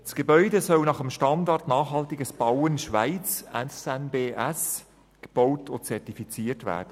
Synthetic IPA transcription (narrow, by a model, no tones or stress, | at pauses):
sɡ̥ebœʏdesœlnɑχəmʃtɑndɑrtnɑːχɦɑltiɡəsb̥awənʃʋaɪt͡sɛsɛnbeːʔɛs | ɡ̥əb̥oʊtʰʊt͡sɛrtifit͡siːərtvæ̰ːɾd̥ə